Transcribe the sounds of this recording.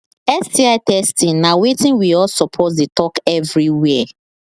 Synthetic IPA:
ɛstiaɪtɛstĩŋnawetĩnwiɔsɔpʰɔtdetɔkɛvɹiwɛ

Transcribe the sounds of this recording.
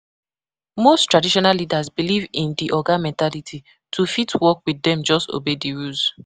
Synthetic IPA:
mosttɹadiʃɔnalːidazbilivĩndiʔɔɡamɛ̃ntalitʰi | tʰufitwɔkwidɛ̃md͡ʒɔsto̰bediɹuz

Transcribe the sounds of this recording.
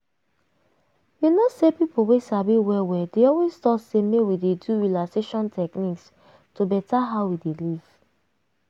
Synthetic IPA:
junosepipowesabiwɛwɛdeɔlwestɔtsemewideduɹilakseʃɔ̃ntʰɛkniks | tobɛtaɦaʊwideliv̥

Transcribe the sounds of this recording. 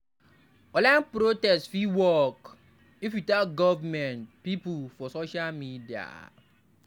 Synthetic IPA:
ɔlanpɾotɛstfiwɔk | ifjutaɡɔvamɛ̃ntpipulfɔsoʃalmidia̰

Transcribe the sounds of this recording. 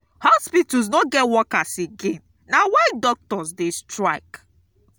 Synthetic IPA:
hɔspitɔs̬nɔɡɛtwɔkaseɡẽnːawadɔk̚tɔsdestɹaɪk

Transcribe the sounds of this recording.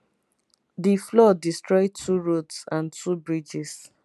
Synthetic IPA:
diflɔdistɹɔɪtʰuɹotsãntʰubɹid͡ʒis

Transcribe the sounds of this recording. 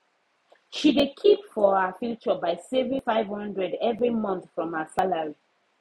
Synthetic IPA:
ʃidekʰipfɔhəfit͡ʃəbaɪsɛvɹifaɪvhʌ̃ndɹɛdɛvɹimʌ̃nθfɹɔ̃mhəsalaɹi

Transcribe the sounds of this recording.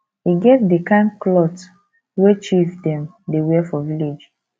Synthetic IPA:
hiɡɛtdikãnklɔt | wet͡ʃifdɛ̃m | dewɛfɔviled͡ʒ

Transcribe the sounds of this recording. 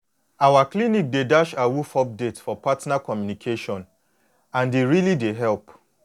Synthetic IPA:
awaklinik̚dedaʃawufɔp̚detfɔpatnakɔmjunikʰeʃɔ̃n | ãndeɾilideɦɛlp

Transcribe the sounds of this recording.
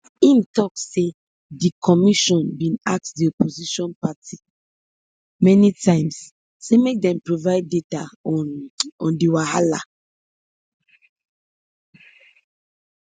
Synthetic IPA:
ĩmtɔkːe | dikʰɔmiʃɔ̃nbĩnak̚tdiɔpoziʃɔ̃npatʰi | mɛnitʰãɪ̃ms | semek̚dɛ̃mpɹovaɪdːetaɔnɔ̃ndiwahala̰

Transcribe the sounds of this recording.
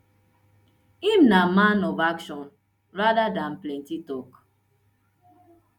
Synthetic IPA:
im̩namanɔbakʃɔn | ɾadadan̩plen̩titɔk

